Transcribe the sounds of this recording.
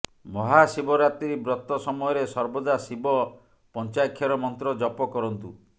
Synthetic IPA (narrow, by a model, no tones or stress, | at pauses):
mɔɦasibɔɾat̪iɾibɾɔt̪ːɔsɔmɔjɔɾesɔɾbɔd̪asibɔ | pɔnt͡ʃajkʰjɔɾɔmɔnt̪ɾɔd͡ʒɔpɔkɔɾɔnt̪u